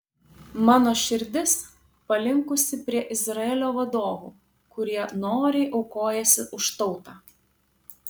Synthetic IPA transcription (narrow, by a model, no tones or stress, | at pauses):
mɑːnoːʃʲɪɾʲd̪ʲɪs | pɐlʲɪŋkʊsʲɪpʲɾʲiɛʔɪzɾɐɛːlʲoːʋɐd̪oːʋṵː | kʊɾʲiɛnoːɾʲɛɪʔɒʊkoːjɛsʲɪʔʊʃt̪ɒʊt̪ɑː